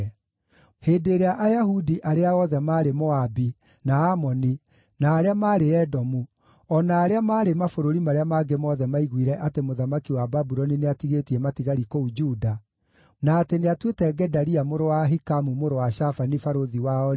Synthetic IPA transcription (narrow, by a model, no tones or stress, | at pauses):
heːdeɾeaʔajaɦudiʔaɾeaɔðɛmaːɾemɔabi | naamɔni | naːɾeamaːɾeɛdɔmu | ɔnaːɾeamaːɾemafoɾoɾimaɾeamaɡemɔðɛmaiɣwiɾɛʔatemoðamakiwababuɾɔnineatiɣetiɛmatiɣaɾikoud͡ʒuːda | naːteneatwetɛɡɛdaɾiamoɾowaɦikamumoɾowaɕafanifaɾoðiwaɔ